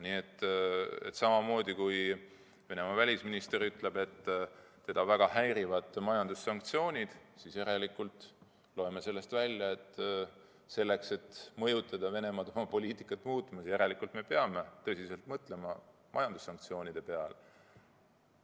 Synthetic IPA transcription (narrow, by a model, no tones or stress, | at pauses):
niːe̞t̪ːḛt̪sɑmɑmo̞ːd̪̥ikuj | ve̞ne̞mɑvælʲisminist̪e̞ɾyt̪le̞be̞t̪ː | e̞d̪̥ɑvæɡ̥ɑhæjɾivɑt̪ˑmɑjɑnd̪̥ussɑŋk̚t̪sio̞ːnʲid̪̥sisjeɾelikːult̪ˑ | loe̞me̞se̞lːe̞st̪vælʲjɑe̞t̪ː | se̞lːe̞kse̞t̪mɤ̞jut̪ːˑɑd̪̥ɑve̞ne̞mɑd̪omɑpo̞lʲiːt̪ikːˑɑt̪ːˑmuːt̪ˑmɑsjɑjeɾe̞likˑult̪me̞pe̞ɑme̞t̪ɤ̞sʲise̞lt̪mɤt̪ˑle̞mɑ | mɑ̰jɑnd̪̥usːɑŋk̚t̪sio̞ːnʲid̪̥e̞pe̞ɑl